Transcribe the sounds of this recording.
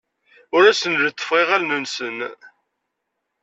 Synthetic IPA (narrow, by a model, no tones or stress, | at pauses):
ʊɾæsənlət̪ːə̥fʁiʁælnənsən